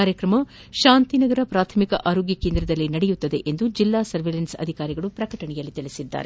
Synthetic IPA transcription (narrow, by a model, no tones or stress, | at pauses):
aːɾjɐkɾɐmɐ | ʃaːnt̪inɐɡɐɾɐpɾaːt̪ʰɐmikɐʔaːɾo̞ːɡjɐkeːnd̪ɾɐd̪ɐlːinɐɽɛjut̪ːɐd̪e̞ʔend̪ud͡ʒilːaːsɐɾʋelensɐ̰d̪ʱikaːɾiɡɐɭupɾɐkɐʈɐɳɛjɐlːit̪iɭisid̪ːa̰ːɾe